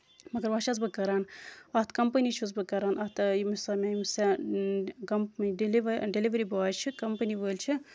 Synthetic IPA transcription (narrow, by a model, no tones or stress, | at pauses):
mɐɡɐɾʋɐʃʰɐzbɨkɐɾaːnɐɦt̪kɐmpɐnit͡ʃʰuzbɨkɐɾaːnʔɐt̪imisɐːmʲajmisɛ | kɐmpɖliʋɖeliʋɐɾibaːt͡ʃʰikɐmpɐniʋəːlʲt͡ʃʰi